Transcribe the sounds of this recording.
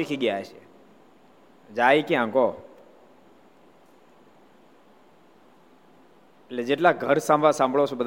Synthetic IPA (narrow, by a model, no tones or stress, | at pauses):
ikʰiɡjaet͡ʃʰḛ | d͡ʒaikjãŋko | eʈled͡ʒeʈlaɡʱəɾsãmbʱasãmbʱɭot͡ʃʰebəd̪ʱ